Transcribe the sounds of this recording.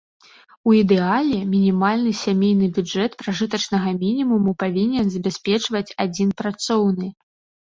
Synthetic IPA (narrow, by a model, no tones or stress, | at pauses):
uid̪ɛalʲɛmʲinʲimalʲnɨsʲamʲejnɨbʲud͡ʐɛt̪pɾaʐɨt̪ɐt͡ʂnɐɣɐmʲinʲimumupavʲinʲɛnzɐbʲasʲpʲɛt͡ʂvɐt͡sʲad͡zʲinpɾat̪sɔwnɨ